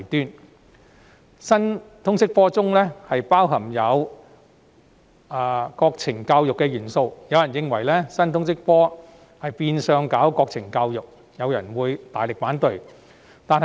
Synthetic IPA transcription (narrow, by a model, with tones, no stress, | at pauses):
t̪yː˥n | sɐ˥nt̪ʰʊ˥ŋsɪ˥k̚fɔː˥t͡sʊ˥ŋlɛː˥hɐ˨jpaː˥wɦɐ˨˩mjɐ˨˧w | aː˧kɔː˧k̚t͡sʰɪ˨˩ŋkaː˧wjʊ˨kːɛ˧jyː˨˩nso˧wjɐ˨˧wjɐ˨˩njɪ˧ŋwɐ˨˩jlɛː˥sɐ˥nt̪ʰʊ˥ŋs̬ɪ˥k̚fɔː˥ | hɐ˨jpiː˧nsœː˨˧ŋkaː˨˥wkɔː˧k̚t͡sʰɪ˨˩ŋkaː˧wjʊ˨k̚ | jɐ˨˧wjɐ̰˨˩nwuː˨˧jt̪aː˨jlɪ˨k̚faː˨˥nt̪ɵ˧ɥ | t̪aː˨˧nhɐ˨